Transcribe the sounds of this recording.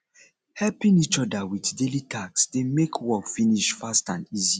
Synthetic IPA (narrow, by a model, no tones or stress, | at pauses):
hɛlpĩnit͡ʃɔdawitdelitʰaksdemekʰwɔkfiniʃfastã̰ndizi